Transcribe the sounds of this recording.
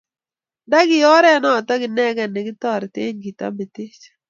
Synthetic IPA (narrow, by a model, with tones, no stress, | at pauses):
da˦ɡɪ˨jɔ˦ɾɛ˦nɔ˦˨tɔ˦ɡɪ˨nɛ˦ɡɛ˨ne˨ɡɪ˦t̪ɔ˦˨ɾtḛ˦ɲɡi˨ta̰˦me˨ti˦t͡ʃ